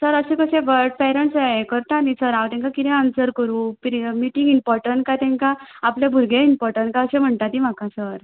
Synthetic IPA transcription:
səɾəsekəɕẽʋəɾɖpɛɾəɳʈsaekəɾt̪anisəɾawt̪ɛ̃ŋkakit̪ɛ̃amsəɾkəɾũːpɾmiʈĩŋɡimpɔɾʈəɳʈkat̪ɛ̃ŋkaapljabʱuɾɡʱẽimpɔɾʈəɳʈkaəɕẽm̤əɳt̪at̪im̤akãsəɾ

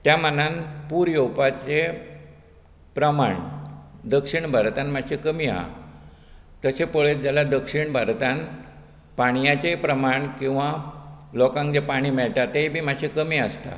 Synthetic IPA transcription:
t̪jamənanpuːɾjowpat͡ɕe | pɾəma̰ɳd̪əkʂiɳbʱəɾt̪anmaɕʰikəmiːa̰ | t̪əsepoɭed͡ʑalad̪əkʂiɳbʱəɾt̪an | paɽ̃jat͡ɕepɾəmaɳkĩw̃ʋalɔkãŋkd͡ʑepaɽ̃iːmɛɭʈat̪ebʱiːmaɕʰikəmiːəst̪a̰

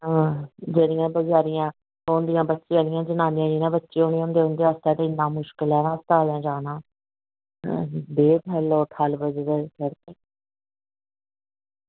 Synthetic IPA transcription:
ɦãːd͡ʒeːɾɪjãːbəɡaːɾɪjãː | oːnd̪ijãːbətːʃiaːlɪjãːd͡ʒənaːnɪjãːd͡ʒiːnãːbətːʃiːõːnĩʊnd̪eːʊnd̪eːast̪ɛːt̪ẽɪnd̪ãːmʊʃkəlɛːʋãːst̪aːljãːd͡ʒaːnãː | beːpʰɛloːt̪ʰəlbəd͡ʒdkəɾt̪eː

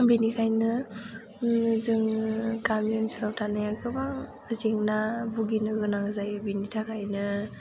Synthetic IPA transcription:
binikʰajnɯ | zɯŋkamɔnsɯɾawtʰanajakʰɯbaŋ | ɯzeŋnabuɡinɯɡɯnaŋzajbinitʰakʰajnɯ

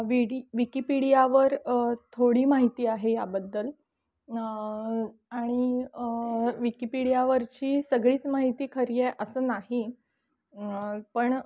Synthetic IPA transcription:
ʋiɽiʋikipiɽijaʋəɾt̪ʰoɽiːmaɦit̪iːaɦeja̰bəd̪ːəl | aɽ̃i | ʋikipiɽijaʋəɾt͡ɕiːsəɡɭiːt͡smaɦit̪iːkʰəɾjeʔəsəːnaɦi | pəɳ

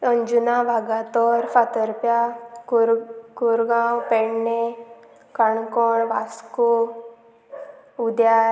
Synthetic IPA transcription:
əɲd͡ʒunaʋaɡat̪ɔːɾfat̪əɾpja | kuɾɡãːwpeɳne | kaɳkɔɳʋasko | ud̪ja

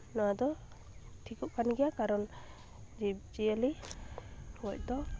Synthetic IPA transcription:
nɔwad̪ɔ | ʈʰikɔʔkanɡɛjakaɾɔn | d͡ʒib̚d͡ʒiəli | hɔc̚d̪ɔ

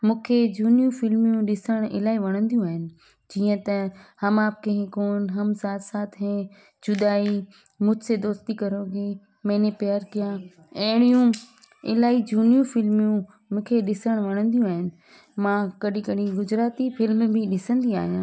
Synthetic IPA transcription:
mũːkʰed͡ʑuːnijũfɪlmjũɗɪsəɽ̃ɪ̰laːiʋɐɽ̃ə̃nd̪jũaːɦɪnɪ̆ | d͡ʑiːə̃t̪ɐhɐmaːb̚kʰɐ̃ɦɪ̃koːnɦɐmsaːt̪ʰsaːt̪ʰɦɛ̃ | d͡ʑʊd̪aːi | mʊ̃ːd͡ʑsed̪oːst̪ikɐɾoːɡe | meːnepɪjaːɾkijã | ɐɦɪɽ̃ijũ | ɪ̰laːid͡ʑuːnijũfɪlmijũ | mũːkʰeɗɪsəɽ̃ʋɐɽ̃ə̃nd̪ijũaːɦɪnɪ̆ | mãkɐɗĩkɐɗĩɡʊd͡ʑɾaːt̪ifɪlmbʱɪɗɪsə̃nd̪ia̰ːɦijãː

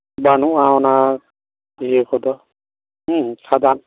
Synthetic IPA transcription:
banuaɔna | iekʰɔdɔ | sʰadan

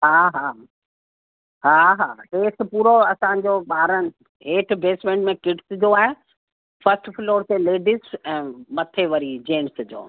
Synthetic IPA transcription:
ɦaːɦaː | ɦaːɦaːeːʈpuːɾoɐsãɲd͡ʑoːɓaːɾənɪ̆ | ɦeːʈʰbeːsmẽːɳɖmẽkɪʈsd͡ʑoːaːɦe | fɐsʈfɪloːɾseleːɖisɛ̃ːmɐt̪ʰeʋɐɾid͡ʑeːnsd͡ʑo̰ː

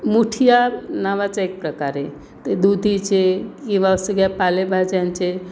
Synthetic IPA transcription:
muʈʰijanaʋat͡ʃaek̚pɾəkaɾe | t̪əd̪ud̪ʱit͡ʃʰekiʋasəɡapalebʱad͡ʒant͡ʃʰe

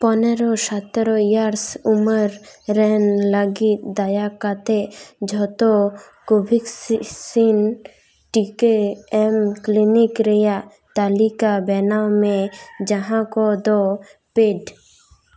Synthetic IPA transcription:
pɔneɾɔʃat̪ɾɔjaɾsuməɾɾɛnləɡit̪d̪ajakat̪ed͡ʒʱɔt̪ɔ | kobʱikssin | ʈikeɛmklinikɾɛja | t̪alikabɛnamẽd͡ʒəɦãkɔd̪ɔpeɖ

